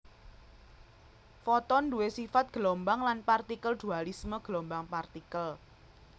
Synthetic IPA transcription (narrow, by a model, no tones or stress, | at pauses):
fɔt̪ɔnduwesifat̪̚ɡ̥əlɔmbaŋlanpart̪ikəld̪̥ṳalisməɡ̥əlɔmbaŋpart̪ikəl